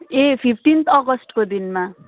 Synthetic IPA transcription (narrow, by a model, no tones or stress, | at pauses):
epʰipʰʈint̪ʰʌɡʌsʈkod̪inma